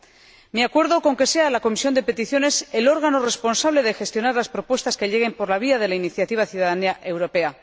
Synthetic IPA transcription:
miakwe̞ɾðo̞ko̞ŋke̞se̞alako̞misjo̞nd̪e̞pe̞t̪iθjo̞ne̞se̞lo̞ɾɣ̞ano̞re̞spo̞nsaβ̞le̞ðexe̞st̪jo̞naɾlaspɾo̞pwe̞st̪aske̞ʎe̞ɣ̞e̞mpo̞ɾlaβ̞iaðe̞lainiθjat̪iβ̞aθjuðaðaniaʔe̞wɾo̞pe̞a

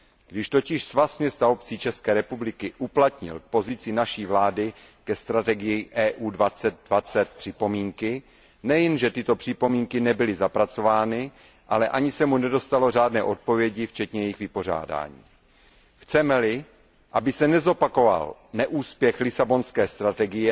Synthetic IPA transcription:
ɡ̥dɪʃt̪o̞cɪʃsvasɲɛst̪aop̚t͡siːt͡ʃɛskɛːɾɛpublɪkɪʔuplat̪ɲɪ̰lk̚po̞zɪt͡sɪnaʃiːvlaːdɪ | kɛst̪ɾat̪ɛɡɪjɪʔɛːʔuːdvat͡sɛt̪̚dvat͡sɛt̪̚pr̥ɪpo̞miːŋkɪ | nɛjɛnʒɛt̪ɪt̪o̞pr̝̥ɪpo̞miːŋkɪnɛbɪlɪzapɾat͡so̞vaːnɪ | ʔalɛʔaɲɪsɛmunɛdo̞st̪alo̞r̝aːdnɛ̰ːʔo̞t̪̚po̞vjɛɟɪft͡ʃɛt̪ɲɛjɛjɪxɣvɪpo̞r̝a̰ːda̰ːɲḭː | xt͡sɛmɛlɪ | ʔabɪsɛnɛzo̞pako̞va̰lnɛʔuːspjɛxlɪsabo̞nskɛːst̪ɾat̪ɛɡɪjɛ

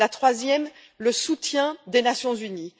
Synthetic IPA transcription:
at̪χwazjɛm | ləsut̪jɛ̃d̪enasjɔ̃zyni

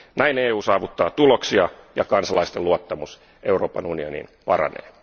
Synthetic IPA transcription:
næineːuːsɑːʋut̪ːɑːt̪uloksiɑjɑkɑnsɑlɑist̪eluot̪ːɑmus | ʔeuro̞ːpɑnunionḭːnpɑrɑ̰nḛː

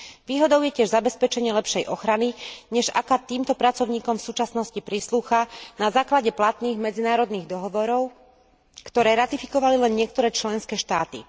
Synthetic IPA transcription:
ʋiːɦɔd̪ɔʊjɛcɪɛʒzabɛspɛt͡ʃɛɲɪɛlɛpʃɛjʔɔxɾaniɲɛʒa̰kat̪iːmt̪ɔpɾat͡sɔʊɲiːkɔmfsuːt͡ʃasnɔscipɾisluːxanazaːklaɟɛplat̪niːɣmɛd͡zinaːɾɔd̪niːɣd̪ɔɦɔʋɔɾɔʊ | kt̪ɔɾɛːɾat̪ifi̥kɔʋalilɛnɲɪɛk̚t̪ɔɾɛːt͡ʃlɛnskɛːʃt̪aːt̪ḭ

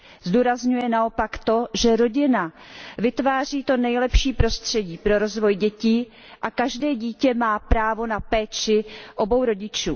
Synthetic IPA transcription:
zduːɾazɲujɛnao̞pakt̪o̞ʒɛɾo̞ɟɪna | vɪt̪vaːr̝iːt̪o̞nɛjlɛpʃiːpɾo̞st̪r̝̥ɛɟiːpɾo̞ɾo̞zvo̞jɟɛciː | ʔakaʒdɛːɟiːcɛmaːpɾaːvo̞napɛːt͡ʃɪʔo̞bo̞wɾo̞ɟɪt͡ʃṵː

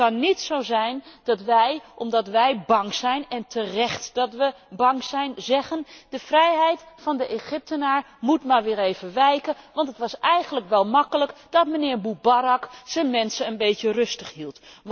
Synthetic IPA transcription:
ɑnːitsowzɛjnd̥ɑtʋɛjʔɔmdɑtʋɛjbɑŋz̥ɛjnɛntʰərɛχtd̥ɑtʋə | bɑŋzɛjnzɛχəndəv̥rɛjɦɛjtfɑndəʔeχɪp̚tənaːɹ | mutmaːɹʋɪːɹejvənʋɛjkəʋɑntətʋɑsɛjχənləkʋɛlˠmɑkələkd̥ɑtmənɪːɹbubaɾɑkz̥ənmɛnsəənbejtərɵstəχɦilˠt

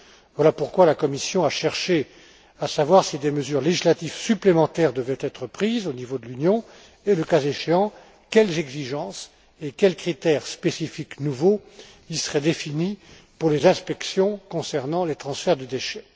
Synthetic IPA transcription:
vwalapuʁkwalakɔmisjɔ̃aʃɛʁʃe | asavwaʁsid̪eməzyʁleʒislat̪ivsyplemɑ̃t̪ɛʁd̪əvɛt̪ɛt̪χəpχizonivod̪əlynjɔ̃ | eləkazeʃeɑ̃ | kʲɛlzɛɡziʒɑ̃s | ekʲɛlkχit̪ɛʁspesifiknuvo | ilsəʁɛd̪efini | puʁlezɛ̃spɛksjɔ̃kɔ̃sɛʁnɑ̃let̪χɑ̃sfɛʁd̪əd̪eʃɛ

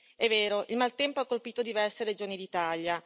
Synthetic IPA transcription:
ɛvːɛːɾoʔilmalt̪ɛmpoakːolpiːt̪od̪ivɛrseɾed͡ʒoːnid̪it̪aʎja

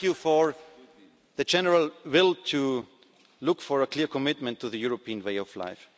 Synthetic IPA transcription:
jufɔ˞ | ðɨd͡ʒɛnəɹəlˠwɪlˠtʰu | lʊkfɔɹəkʰliɹkʰɔmɪt̚mə̃ntʰuðɨjʊɹopʰiə̃nweɪɔvla̰ɪf

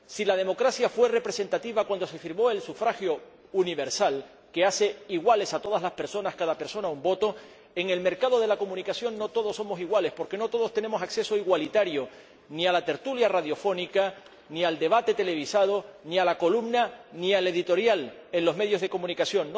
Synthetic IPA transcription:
silaðe̞mo̞kɾasjafwe̞re̞pɾe̞se̞nt̪at̪iβakwand̪o̞se̞fiɾmo̞e̞lsufɾaxjo̞ | uniβe̞ɾsal | ke̞ase̞iɣwale̞sat̪o̞ð̞azlaspe̞ɾso̞naskaðape̞ɾso̞naumbo̞t̪o̞ | e̞ŋe̞lme̞ɾkað̞o̞ð̞e̞lako̞mũnikasjo̞ŋno̞t̪o̞ð̞o̞sːo̞mo̞siɣwale̞spo̞ɾke̞no̞t̪o̞ð̞o̞st̪ene̞mo̞sakse̞so̞iɣwalit̪aɾjo̞ | nialat̪e̞ɾt̪uljaraðjo̞fo̞nika | niald̪e̞βat̪et̪e̞le̞β̞isað̞o̞nialako̞lumnaniale̞ðit̪o̞ɾjale̞nlo̞zme̞ðjo̞zðe̞ko̞mũnikasjo̞ŋn

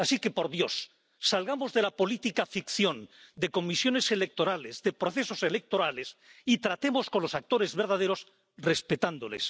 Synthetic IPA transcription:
asike̞po̞ɾðjo̞sː | alɣamozðe̞lapo̞lit̪ikafikθjõ̞nd̪e̞ko̞misjo̞ne̞se̞le̞k̚t̪o̞ɾalezðe̞pɾo̞θe̞so̞se̞lek̚t̪o̞ɾalesit̪ɾat̪e̞mo̞skonlo̞sak̚t̪o̞ɾe̞zβeɾðað̞eɾo̞s | respet̪and̪olḛs

